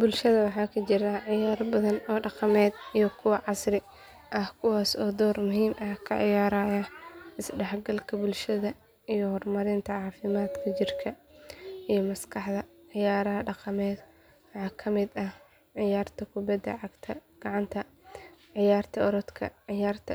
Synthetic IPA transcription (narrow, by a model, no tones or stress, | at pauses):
bʊlʃɐðɐwɑħɑːkʰɐt͡ʃɪɾɐʕɪjaːrbɐðɐnɔːɖɑqɑmɛːd̪ijɞkʰʊwɑʕɑsrɪ | ʔɐhkʰʊwaːsɔːd̪ɔːrmʊɦiːmʔɐhkʰɐ̰ʕɪ̰jaːɾaːjɐʔɪsɖɛħɡɐlkʰɐbʊlʃɐðɐ | ijɔhɔrmɐɾɪnt̪ʰɐʕɑːfɪmaːd̪kʰɐt͡ʃɪrkʰɐʔijɞmɐskʰɑħðɐʕɪjaːɾɐɦɐɖɑqɑmɛːd̪ | wɑħɑːkʰɐmɪd̪ɐh | ʕɪjaːrt̪ʰɐkʰʊbɐd̪ːɐ̰ʕɑɡt̪ʰɐɡ̥ɑʕɑnt̪ʰɐ | ʕɪjaːrt̪ʰɐɔɾɔd̪kʰɐ̰ʕɪjaːrt̪ʰɐ